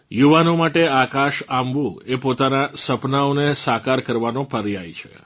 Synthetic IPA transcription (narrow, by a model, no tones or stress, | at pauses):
juʋanomaʈeakaʃamʋũepot̪anasəpnaonesakaɾkəɾʋanõpəɾjajt͡ʃʰḛ